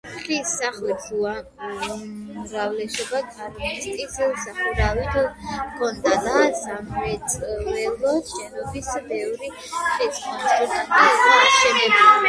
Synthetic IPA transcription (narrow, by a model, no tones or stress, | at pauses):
χisaχɛd͡ʒua | mɾavlɛsɔbaɡaɾmist̪ʼissaχuɾalit̪ʰkʰɔnd̪ad̪azamɛt̪sʼvɛlˠɔʃɛnɔbisbɛvɾi | χiskʰʼɔnsuɾt̪ʼat̪ʼiazaʃɛnɛb